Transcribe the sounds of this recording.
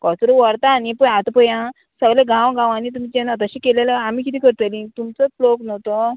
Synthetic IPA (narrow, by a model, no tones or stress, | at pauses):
kɔt͡sɾuʋəɾt̪aːnipəat̪pəjã | səɡleɡãwɡãʋanit̪̬um̤it͡ɕenat̪əɕikeleləamiːkit̪̬iːkəɾt̪elĩt̪umt͡səloknɔt̪o